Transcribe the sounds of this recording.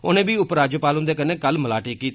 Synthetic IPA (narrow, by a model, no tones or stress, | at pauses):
ʊ̰nẽːbiːʊpɾaːd͡ʒoːpaːlʊnd̪eːkənẽːkəlməlaːʈeːkːiːt̪